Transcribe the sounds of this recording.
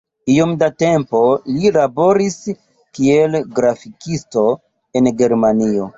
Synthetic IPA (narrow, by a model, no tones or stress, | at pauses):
io̞mdate̞mpo̞lilabo̞ɾis | kie̞lɡɾafikisto̞ | e̞nɡe̞ɾmanio̞